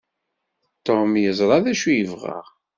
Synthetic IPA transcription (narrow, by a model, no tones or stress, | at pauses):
t̪ːomjəzˤɾˤɑðæʃujəvʁə̰ʁ